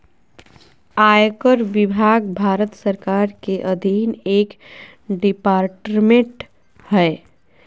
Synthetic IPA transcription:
ajkəɾʋɪbʱaɡbʱaːɾət̪səɾkaɾkeʔəd̪ʱineːk | ɖipaːɾʈmẽʈ | hɛe

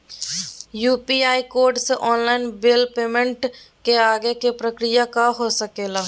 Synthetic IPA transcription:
juːpiaːikoːɾɖseʔɔːnlaːɪnbelpeːmə̃ɳʈkeaːɡekepɾəkɾɪjakaɦosəkeːlaː

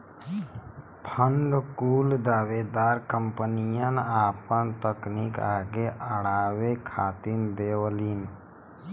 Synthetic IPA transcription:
pʰəɳɖkuːld̪aːʋed̪aːɾkəmpənijanaːpənt̪əknikaːɡeʔəɽaːwekʰaːt̪ind̪eːwəlin

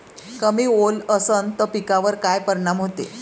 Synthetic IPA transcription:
kəmiːoləsənt̪əpikaʋəɾkajpəɾɳamɦot̪e

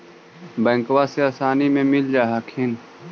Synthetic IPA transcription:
bɛ̃ːŋkwaseaːsaːnimẽmɪld͡ʒaːɦakʰɪn

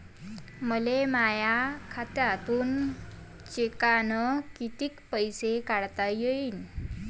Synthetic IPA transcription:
məlemajakʰat̪jat̪uːn | t͡ɕekanəkit̪iːkpəjsekaɽt̪ajeiːn

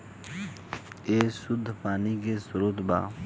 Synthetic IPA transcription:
eːsud̪ʱpaːnikesʊɾuːt̪ba̰ː

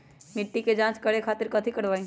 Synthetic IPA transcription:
mɪʈːiked͡ʒãːt͡ʃkɐɽekʰaːt̪ɪɾkɐt̪ʰikəɽʋaːĩː

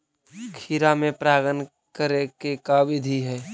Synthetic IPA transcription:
kʰiɾamẽpɾaːɡən | kəɾekekaːʋɪd̪ʱiɦɛː

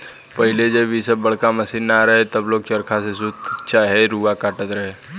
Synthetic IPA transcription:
pɐɦɪled͡ʒɐʋisəbːɐɽ̤kamɐsinːaɾɐɦet̪ɐbloːɡ̚t͡ʃɐɾkʰasesʊt̪t͡ʃaːɦeɾuːakaːʈət̪ɾɐɦeː

